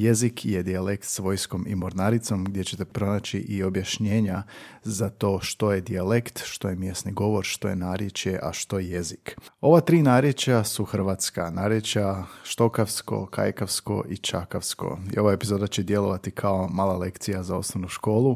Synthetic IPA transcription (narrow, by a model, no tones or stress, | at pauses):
je̞zikʰje̞d̪iale̞kt̪sʋo̞jsko̞mḭmoɾnaɾit̪so̞mɡ̚d̪je̞t͡ɕe̞t̪e̞pɾo̞nat͡ɕiʔio̞bjaʃɲeːɲazat̪o̞ːʃt̪o̞je̞d̪ialekt̪ʃt̪o̞jemje̞sniɡo̞ʋo̞ɾʃt̪o̞je̞naːɾjet͡ʃje̞ʔa̰ʃt̪o̞jeje̞ziko̞ʋat̪ɾiːnaːɾje̞t͡ʃjasuxr̩ʋat̪skanaːɾjet͡ʃjaʃt̪o̞kaʋsko̞̰kʰa̰jkaʋsko̞̰ʔit͡ʃa̰kafsko̞̰ḭo̞ʋaepizo̞d̪at͡ɕed̪je̞lˠo̞ʋat̪ikʰaomaːlˠale̞kt̪sijazao̞snoʋnuʃko̞ːlˠu